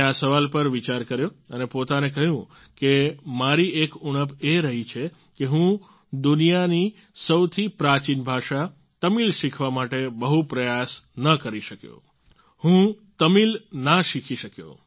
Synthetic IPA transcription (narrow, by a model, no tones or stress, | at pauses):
asəʋalpəɾʋit͡ʃaɾkəɾjoənepot̪anek̬əɦjũ | kemaɾiekuɽ̃əpeɾəɦit͡ʃʰe | keɦũ | d̪unijani | səwt̪ʰipɾat͡ʃinbʱaʃa | t̪əmilʃikʰʋamaʈebəɦupɾəjasnəkəɾiʃəkjo̰ | hũt̪əmilnaʃikʰiʃəkjo̰